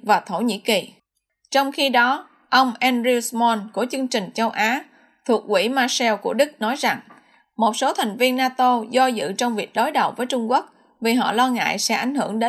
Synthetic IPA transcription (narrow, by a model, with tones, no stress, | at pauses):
vaː˨˩t̪ʰo˧˩ɲḭ˧˥ki˨˩ | t͡ɕɔ˧wŋ͡mxi˧ɗɔ˨˦ | ʔə˧wŋ͡mʔɛ˧nzi˧wsmɔ˧nku˧˩ət͡ɕɨ˧əŋt͡ɕï˨˩ŋ̟t͡ɕə˧wʔaː˨˦ | t̪ʰu˨˩ək̚ʔwḭ˧˩maː˧sɛ˧wku˧˩əɗɨ˦˥k̚nɔ˨˦jza˨˩ŋ | mo˨˩t̚so˨˦t̪ʰa˨˩jŋ̟vi˧ənːaː˧t̪o˧zɔ˧zɨ̰˧˨t͡ɕɔ˧wŋ͡mvi˨˩ək̚ɗo˨˦jɗə˨˩wvəː˨˦jt͡ɕʊ˧ŋ͡mku˦˥k̚ | vi˨˩ɦɔ̰˧˨lɔ˧ŋa̰ː˧˨jsɛ̰˧˥ʔa̰˧˩jŋ̟hɨ˧˩əŋɗe˨˦